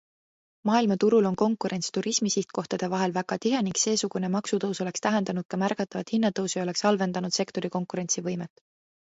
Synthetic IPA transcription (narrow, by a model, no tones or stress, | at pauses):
mɑːilmɑt̪uɾulo̞nko̞ŋkːˑuɾe̞nʲt̪st̪uɾismisiht̪̚ko̞ht̪ɑd̪̥e̞vɑɦe̞lvæɡ̥ɑt̪iɦe̞niŋɡse̞ːsuɡ̥une̞mɑksut̪ɤwso̞le̞kst̪æɦe̞nd̪ɑnud̪̚kɑmærkɑt̪ːˑɑvɑt̪hinːɑt̪ɤwsio̞le̞ksɑlve̞nd̪̥ɑnud̪̥se̞kt̪o̞ɾiko̞ŋkˑuɾe̞nʲtsivɤjmet̪ːˑ